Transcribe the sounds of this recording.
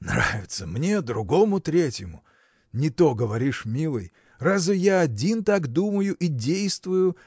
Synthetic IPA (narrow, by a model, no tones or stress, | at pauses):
nɾa̰vʲɪt̪səmnʲe̞d̪ɾʊɡo̞mʊt̪ɾʲetʲjɪmʊ | nʲɪt̪o̞ɡəvɐɾʲiʂmʲilˠɨ̰j | razvɨjaɐdʲint̪akd̪uməjʊʔidʲejst̪vʊjʊ